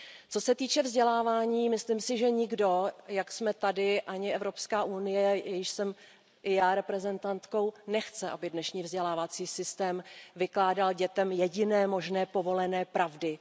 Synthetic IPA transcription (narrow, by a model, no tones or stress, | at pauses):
t͡so̞sɛt̪iːt͡ʃɛvzɟɛlaːvaːɲiːmɪsliːmsɪʒɛɲɪɡdo̞jaksmɛt̪adɪʔaɲɪɛvɾo̞pskaːʔunɪjɛɛjɪʃsɛm | ʔɪjaːɾɛpɾɛzɛnt̪ant̪ko̞wnɛxt͡sɛʔabɪdnɛʃɲiːvzɟɛlaːvat͡siːsɪst̪ɛːmvɪklaːdalɟɛt̪ɛmjɛɟɪnɛːmo̞ʒnɛːpo̞vo̞lɛnɛːpɾavdɪ